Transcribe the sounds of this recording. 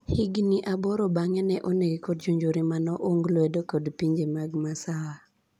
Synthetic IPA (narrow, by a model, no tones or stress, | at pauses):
hɪɡniʔabɔɾobaŋɛnɛʔonekikɔdd͡ʒuɲd͡ʒoɾimanɔʔoŋɡlwɛdokodpiɲd͡ʒemaɡmasawa